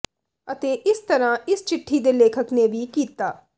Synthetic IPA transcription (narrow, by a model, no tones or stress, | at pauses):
ət̪eːʔɪst̪əɾãːɪst͡ʃɪʈʰːiːd̪eːleːkʰəkneːʋiːkiːt̪aː